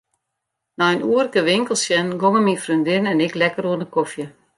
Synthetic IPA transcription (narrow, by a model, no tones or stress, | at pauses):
naənuərkəʋɪŋkəl̩ˠsjɛnɡoŋəmifryndɪnɛnɪklɛkəruənəkofjə